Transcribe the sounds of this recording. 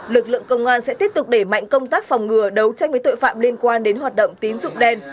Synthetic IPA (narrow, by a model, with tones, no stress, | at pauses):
lɨ˨˩k̚lɨ̰˧˨əŋkə˧wŋ͡mʔaː˧nsɛ̰˧˥t̪i˦˥əp̚t̪ʊ˨˩k͡p̚ɗe˧˩ma̰˧˨jŋ̟kə˧wŋ͡mt̪aː˦˥k̚fa˨˩wŋ͡mŋɨ˨˩əɗə˨˦wt͡ɕa˧jvəː˨˦jt̪o̰˧˨jfa̰ː˧˨mli˧ənkwaː˧nɗe˨˦nɦwaː˨˩t̚ɗə̰˧˨wŋ͡mt̪i˨˦ənzʊ̰˧˨ŋ͡mɗɛ˧n